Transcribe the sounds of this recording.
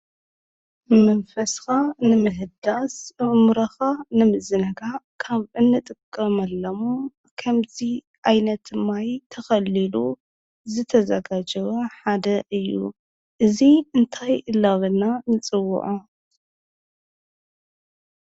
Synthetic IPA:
mɐnfɐsxanɨmɨɦɨd̪asmɾɐxanɨmɨzɨnɐɡakʰaβʔɨnːɨt̪ʼɨkʼːɐmɐlːɐmu | kʰɐmzi | ʔajnɐt̪ʰɨmajt̪ʰɐxɐlilu | zɨt̪ʰɐzɐɡad͡ʒɐβɐħad̪ɐʔɨjːṵ | ʔɨziɨnt̪ʰajʔɨlːaβɨnanɨt͡sʼɨwːʊ̰ʕu

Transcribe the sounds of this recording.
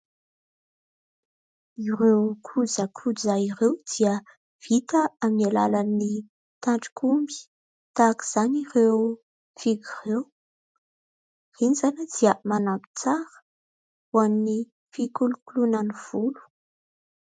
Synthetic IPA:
iɾewkʰud͡zəkʰud͡zaiɾewd̪̥iə | v̥it̪əamnalalani | t̪aɳʈ͡ʂi̥kʰumbi̥ | t̪aki̥z̥anirew | fiɡirew | rinizanad̪̥iəmanambi̥t͡saɾə̥ | uamni | fikulukulunaniv̥ulu̥

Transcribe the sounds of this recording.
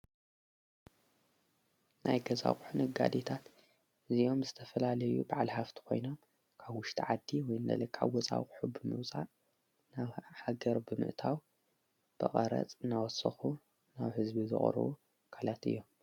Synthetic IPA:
nʔajɡɐza̰kʼħunɨɡa̰d̪et̪ʰat̪ | ɨziʔo̞mzɨt̪ʰɐfɐlalɐjubaʕalhaft̪ʰi̥kʰo̞̰jno̞m | kʰaβwʊʃt̪ʰiʕad̪ːiwɔjnd̪ɐ̰lɐkʰːaβwɔt͡sʼa̰wkʼħubɨmɨ̰wt͡sʼa̰ | naβħaɡɐɾbɨmɨ̰ʔt̪ʰaw | b̥ɨχʼɐɾɐ̰t͡sʼɨnawɔsɐ̰xu | naβhɨzbizɨ̰χʼɾɨ̰wu | kʰalat̪ɨ̰jːo̞m

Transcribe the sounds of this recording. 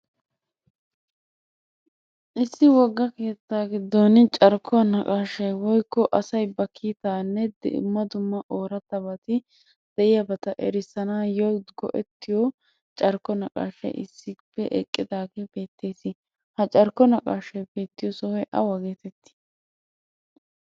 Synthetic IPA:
ʔɪsːɪwɔɡːɐke̞ːt͡sːaːɡɪd̪ːonɪt͡ʃʼɐɾkʰːɔɐnɐkʼaːʃɐjwɔjkːɔʔɐsɐjbɐkʰːiːt̪aːnːɛd̪ɛ̰ʊ̰mːɐd̪ʊmːɐʔoːɾɐt̪ːɐbɐt̪ɪ | d̪̥ɛʔɪjɐbɐt̪ɐʔɛɾɪsɐnaːjɔɡɔ̰ʔɛ̰t̪ːɪjɔ | t͡ʃʼɐɾkːɔnɐkʼa̰ːʃɐ̰jʔɪ̰sːɪpːɛʔɛkʼːɪd̪aːɡɛb̥e̞ːt̪ːe̞ːsɪ | hɐt͡ʃʼɐɾkːɔnɐkʼaːʃɐjbe̞ːt̪ːɪjɔsɔwɛjʔɐ̰wɐɡeːt̪ɛt̪ːɪ̥

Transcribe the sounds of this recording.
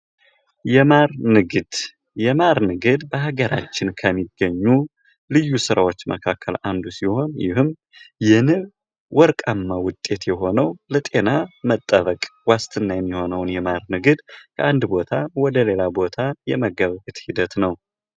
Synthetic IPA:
jɛmaɾnɨɡɨd̪̥ | jɛmaɾnɨɡɨd̪bəhaɡəɾʔa̰t͡ʃːɪnkʰəmːiɡːəɲːu | lɨjːusɨɾawo̞t͡ʃːmə̰kʰakːəland̪usiho̞njɪ̰hɨm | jɛnɨ | wʔɔɾkʼamːawʊt̪ʼːe̞t̪jɛɦo̞nəwlət̪ʼe̞namət̪ʼːəβəkʼwast̪ʰɨnːajɛmːiho̞nəwnjɛmaɾnɨɡɨd̪kʰəʔand̪bo̞t̪ʰawɔd̪əle̞labo̞t̪ʰajɛməɡəβɡɨt̪ʼhid̪ət̪nəw

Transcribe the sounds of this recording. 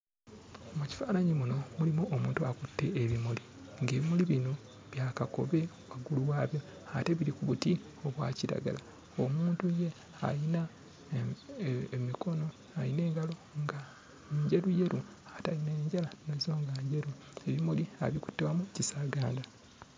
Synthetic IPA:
omuci̥faːnaɲimuno̞mulimuʔomuːntuakutːe̞ːβimuli | ŋɡe̞ːβimuliβino | βjaːkako̞̰βe̞ | waɡuluwaːβjo̞ | ate̞βiɾikuβuti | o̞βwa̰ːciɾa̰ɡa̰la | omuːntuje̞ | ajina | emiko̞no̞ | ajine̞ːŋɡalo̞ŋɡa | ɲɟeɾuje̞ɾuataineɲɟalanozo̞ːŋɡaɲɟe̞ɾu | e̞βimulia̰βiku̥tːewamucisaːɡaːnda

